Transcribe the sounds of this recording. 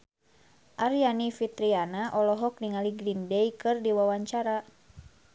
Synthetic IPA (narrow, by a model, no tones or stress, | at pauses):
ʔaɾijanifit̪ɾianaʔɔlɔɦɔk̚niŋaliɡɾindɛjkɨrdiwawaɲt͡ʃaɾa